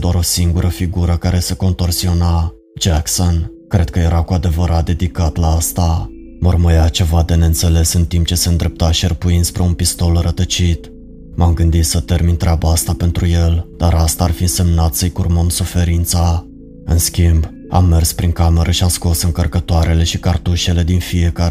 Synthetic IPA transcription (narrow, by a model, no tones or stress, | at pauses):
d̪oaɾo̞siŋɡuɾʔəfiɡuɾəkaɾe̞seko̞nt̪o̞rsio̞na | d͡ʒakson | kɾe̞d̪̚kəje̞ɾʔakuad̪e̞vəɾʔat̪̚d̪e̞d̪ikat̪laast̪a | morməjat͡ʃe̞vad̪e̞neɨnt̪se̞le̞sɨnt̪imp̚t͡ʃe̞se̞ɨnd̪ɾe̞p̚t̪aʃiərpuinspɾe̞unpist̪o̞lɾət̪ət͡ʃit̪ | mamɡɨnd̪it̪sət̪e̞rmint̪ɾʲabaast̪ape̞nt̪ɾuje̞ld̪̥aɾast̪aːrfise̞mnat̪səjkurməmsufe̞ɾint̪sa | ɨnskʲimb | a̰mːe̞rspɾiŋkame̞ɾʔəʃiasko̞sɨŋkərkət̪oaɾe̞le̞ʃikart̪uʃe̞le̞d̪infije̞ka